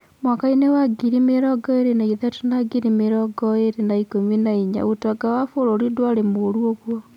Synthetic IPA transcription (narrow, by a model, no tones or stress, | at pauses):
mwakainewaɡiɾimeɾɔɡɔeɾenaiðatonaɡiɾimeɾɔɡɔeɾenaikominaiɲa̰otɔɡawafoɾoɾidwaɾemoɾwoɣwɔ